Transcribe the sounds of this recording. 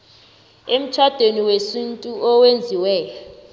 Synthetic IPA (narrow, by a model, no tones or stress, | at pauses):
em̩t͡ʃʰad̥ʱeniwesintʼuʔɔwend͡zʱiwɛːjɔ